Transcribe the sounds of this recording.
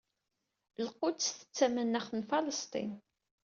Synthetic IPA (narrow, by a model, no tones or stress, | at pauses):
lqʊθə̥t͡sːæmənːæχnfɑləst̪ˤḭn